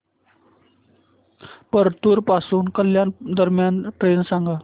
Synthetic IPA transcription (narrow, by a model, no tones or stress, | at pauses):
pəɾt̪uːɾpasuːnkəljand̪əɾmjanʈɾensaŋɡa